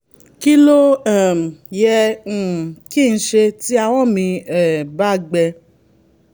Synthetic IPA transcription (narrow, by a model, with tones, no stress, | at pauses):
ki˦lo˦ã˦˨m˨jɛ̃˧˨ | ki˦˨ñ̩˦ʃe˧ti˦a˧w̃ɔ̃˦˨mĩ˧ɛ˨ba˦˨ɡ͡bɛ˧